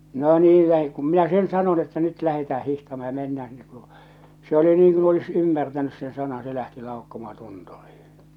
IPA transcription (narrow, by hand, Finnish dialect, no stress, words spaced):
no niːl læhe kum minæ sen sɑnon etːæ nyt læhetæː hihtɑmɑː jɑ menːæː sinːe k̆ŭr̆ŭ se oli niŋ kun olis ymːærtænys sen sɑnɑn se læhti lɑukːomɑhɑ̥ tunturiːĩ